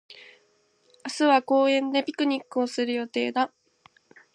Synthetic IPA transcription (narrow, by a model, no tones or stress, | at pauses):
asɨβako̞ːẽ̞nd̪e̞pʲi̥kɯ̟ɲ̟ikːɯ̟o̞sɨɾɯ̟jo̞t̪e̞ːd̪a